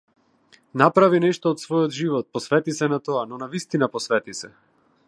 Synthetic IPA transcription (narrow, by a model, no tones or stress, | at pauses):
napɾavinɛʃt̪ɔːt̪svɔjɔd̪ʒivɔt̪̚pɔsvɛt̪isɛnat̪ɔanɔnavist̪inapɔsvɛt̪isɛ